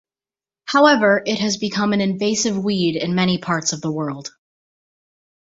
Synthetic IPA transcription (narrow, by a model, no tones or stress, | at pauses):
haʊɛvə˞ʔɪt̚ɦɨzbɨkʰʌ̃mɨ̃nɨ̃ɱveɪsɨvwiɾɪ̃nmɛɾ̃ipʰɑɹtsʌvðəwɜ˞lˠd̥